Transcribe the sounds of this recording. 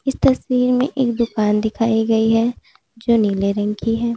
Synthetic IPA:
ɪst̪ɐswiːɾmḛ̃ʔeːkd̪ʊkaːnd̪ɪkʰaːiɡɐiɦɛ | d͡ʒoːniːleɾɐ̃ŋkʰiɦɛː

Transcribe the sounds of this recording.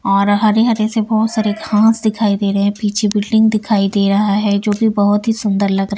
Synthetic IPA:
ɔːɾɦɐɾeɦɐɾesebɔːt̪saːɾeɡʱãːsd̪ɪkʰaːid̪eːɾɐɦɛ̃piːt͡ʃʰebɪlɖɪ̃ŋɡ̚d̪ɪkʰaːid̪eːɾɐɦaɦɛd͡ʒoːbʱibɐɦʊt̪ɦisʊ̃nd̪əɾlɐɡɾɐ

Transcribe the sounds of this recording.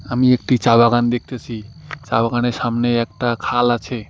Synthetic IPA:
amiekʈit͡ʃabaɡand̪ek̚ʰt̪et͡ʃʰit͡ʃabaɡanesamneːk̚ʈakʰalat͡ʃʰe

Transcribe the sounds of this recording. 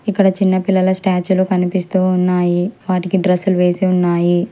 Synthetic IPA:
ikːɐɽɐt͡ʃinːɐpilːɐlɐsʈaːt͡ʃulokɐnipist̪uːunːaːjiʋaːʈikiɖɾɐsuluʋeːsiunːaːji

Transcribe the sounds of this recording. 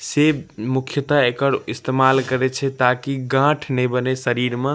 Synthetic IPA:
semukʰjət̪aekəɾist̪emalkəɾɛt͡ʃʰɛt̪akiɡãʈʰnɛjbənesəɾiɾmẽ

